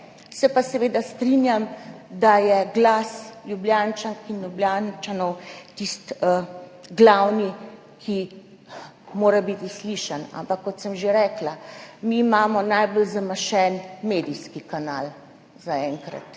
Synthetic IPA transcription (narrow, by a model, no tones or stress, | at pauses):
sɛpasɛʋeːd̪ast̪ɾinjamd̪ajɛɡlasljubljaːnt͡ʃankinjubljaːnt͡ʃanɔwt̪ist̪əɡlawni | kʰi | moːɾabit̪isliʃana̰mpakːɔt̪səmʒeɾɛːklamiːmaːmɔnajbɔlzamaʃɛnmeːd̪iskikanaːl | zaɛŋkɾa̰t̪